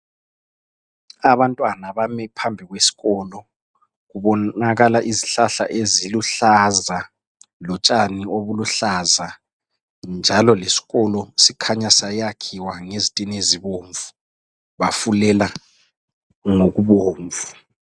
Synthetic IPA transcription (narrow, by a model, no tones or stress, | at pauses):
aβantʼwanaβamɛpʰambʱiɣwesi̥ɣɔːlɔ | ɣuβɔaɣalaʔiziɬaɬa̰ʔeziluɬaza | lɔt͡ʃʼanioβuluɬaza | nd͡ʒʱalɔlesi̥ɣɔlɔsikʰaɲasajakʰiwaŋezitʼineziβoːɱvu | βafulɛla | ŋoɣuβoːɱvu